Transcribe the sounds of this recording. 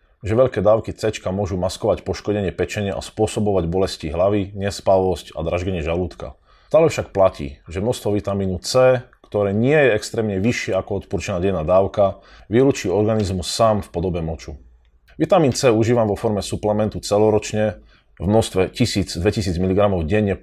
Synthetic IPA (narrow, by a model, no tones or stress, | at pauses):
ʒɛʋɛʎkɛːd̪aːʊkit͡sɛt͡ʃkamʊɔʒumaskɔʋacpɔʃkɔɟɛɲɪɛpɛt͡ʃɛɲɪɛʔa̰spʊɔsɔbɔʋaɟbɔlɛsciɦlaʋiɲɛspaʋɔsca̰d̪ɾaʒɡɛɲɪɛʒaluːt̪ka̰ | t̪aːlɛfʃak̚placḭːʒɛmnɔst̪ʋɔʋit̪amiːnut͡sɛːkt̪ɔɾɛːɲɪɛjɛɛkst̪ɾɛːmɲɛʋiʃɪɛakɔɔt̪puɾt͡ʃɛnaːɟɛjnaːd̪aːʊka | ʋiɾuːt͡ʃiːɔɾɡanizmusːaːmfpɔd̪ɔbɛmɔt͡ʃu | ʋit̪amiːnt͡sɛːuʒiːʋamʋɔfɔɾmɛsuplɛmɛnt̪ut͡sɛlɔɾɔt͡ʃɲɛ | vmnɔst̪ʋɛcisiːd͡zd̪ʋɛcisiːd͡zmiliɡɾamɔʊɟɛɲːɛ